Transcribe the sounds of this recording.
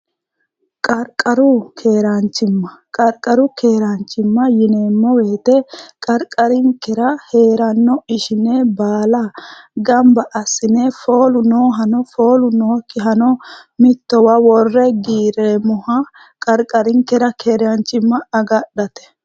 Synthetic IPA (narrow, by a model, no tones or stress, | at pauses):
kʼɐɾkʼɐɾʊkʰe̞ːɾant͡ʃːɪmːɐkʼɐɾkʼɐɾʊke̞ːɾant͡ʃːɪmːɐjɪneːmːɔwe̞ːt̪ɛkʼɐɾkʼɐɾɪŋkːɛɾɐhe̞ːɾɐnːɔɪʃɪnebaːlɐɡɐmbɐʔɐsːɪnefoːlʊnoːɦɐnɔfo̞ːlʊnoːkːɪɦɐnɔmɪt̪ːɔwɐwɔrːɛɡiːɾeːmɔhɐ | kʼɐɾkʼɐɾɪŋkɛɾɐkʰeːɾɪɐnt͡ʃːɪmːɐɐɡɐɗːɐt̪ɛ̥